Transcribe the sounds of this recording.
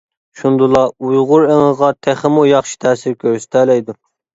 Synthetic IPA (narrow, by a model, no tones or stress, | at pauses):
ʃund̪ulˠɑujʁʊɾeŋəʁɑt̪ʰæχɪmujɑχʃi̥t̪ʰɛːsɪɾkʲʰøɾsɪ̥t̪ʰɛlɛjd̪u